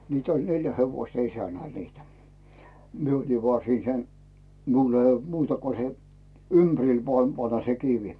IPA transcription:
mitæ olʲ neljæ heʋoĭstɑ isænæl niːtæ mie oli ʋoɑˑ siːn sen miul ĕ old̥ muːtɑ ko se ympæ̆ril ʋŏɑˑm pɑnːɑ se kiʋi

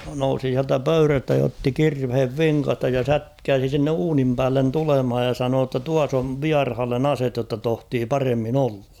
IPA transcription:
nousi siæltæ pøyræstæ jɑ otːi kirʋheʋ ʋiŋkɑstɑ jɑ sætkæːsi sinːe uːnim pæːlːen tulemhɑj jɑ sɑnoː tːɑ tuɑs oʋ ʋiɑrhɑlːen ɑset jotːɑ tohtiː pɑremːin olːɑ̥

